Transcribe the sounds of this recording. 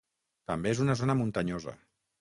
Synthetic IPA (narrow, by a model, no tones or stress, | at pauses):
t̪ambeezunazonəmunt̪aɲozə̰